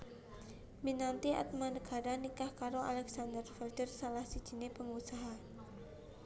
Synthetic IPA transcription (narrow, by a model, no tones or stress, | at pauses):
minant̪ia̰t̪̚manəɡ̥a̤ɾanikahkaɾoʔa̰lɛksand̪ərfərdərsalahsid̥ʒ̥i̤nepəŋusaɦa